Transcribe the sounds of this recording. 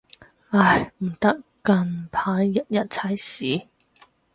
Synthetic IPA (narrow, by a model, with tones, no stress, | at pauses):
a˧jm̩˨˩t̪ɐ˦˥kkɐ˧ŋpʰaː˨˥jːɐ˦˥t̚jɐ˥t̚t͡sʰɐ˥jsiː˨˥